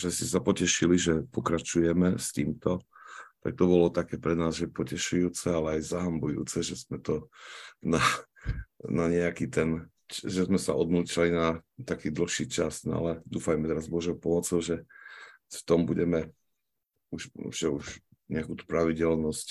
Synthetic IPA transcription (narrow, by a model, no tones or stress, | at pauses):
ʒɛscɛsapɔcɛʃiliʒɛpɔkɾat͡ʃujɛmɛst̪iːmt̪ɔt̪ak̚t̪ɔbɔlɔt̪akɛːpɾɛnaːzʒɛpɔcɛʃujuːt͡sɛalɛajzaɦambujṵːt͡sɛʒɛzmɛt̪ɔna | naɲɛakit̪ɛn | ʒɛzmɛsa̰ɔd̪nuːt͡ʃalinat̪akiːd̪l̩xʃiːt͡ʃasna̰lɛd̪uːfajmɛt̪ɛɾazbɔʒɔʊpɔmɔt͡sɔʊʒɛ | ft̪ɔmbuɟɛmɛ | uʃʒɛuʃ | ɲɛakuːt̪u̥pɾaʋiɟɛlnɔsc